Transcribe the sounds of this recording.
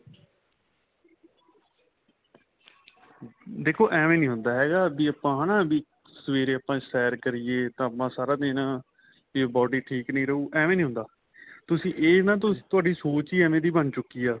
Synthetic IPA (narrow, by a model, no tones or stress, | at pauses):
d̪eːkʰoːʔɛːmẽːnĩːɦʊ̃nd̪aːɦɛːɡaːbiːəpãːnãːbiː | səʋeːɾeːəpːãːsɛːɾkəɾɪjeːt̪ãːəpãːsaːɾaːd̪eːnãː | iːbɔːɖiːʈʰiːknəĩːɾəɦuːʔɛːʋẽːnĩːɦʊ̃nd̪aː | t̪ʊsĩːʔeːnãːt̪̬ʊsĩːt̪ʊaːɖiːsoːt͡ʃiːɛːmẽːd̪iːbənt͡ʃʊkːiːaː